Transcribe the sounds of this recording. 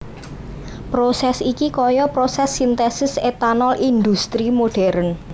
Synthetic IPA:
pɾosɛsikikɔjɔpɾosɛsːint̪ɛsɪset̪anɔlʔind̪ust̪ɾimoɖ̥ɛɾən

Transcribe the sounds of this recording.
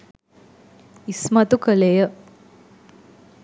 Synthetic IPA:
ismat̪ukəlejə

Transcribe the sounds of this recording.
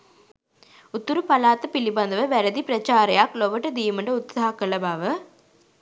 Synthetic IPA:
ʊt̪ːuɾupɐlaːt̪ːɐpɪlibɐnd̪ɐʋɐʋɐɾɐd̪ipɾɐt͡ʃaːɾɐjaːkloʋɐʈːɐd̪iːmɐɳɖɐʊt̪sɐɦakːɐlɐbaːʋɐ

